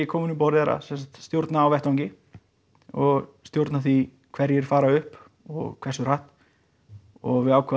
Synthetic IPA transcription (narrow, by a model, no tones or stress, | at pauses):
ɪkʰɔːwmʏnʏmpɔwɾɪðɛɾa̰sɛnsḁt̪st̪jowɾt̪naːwvɛht̪awɲcɪ | ɔɣst̪jowɾt̪naθi | kʰvɛɾjɛɾ̥faːɾaʏhp | ɔ̰ɣkʰv̥ɛsʏr̥aht̪ | ɔɣvɪðaːwkʰva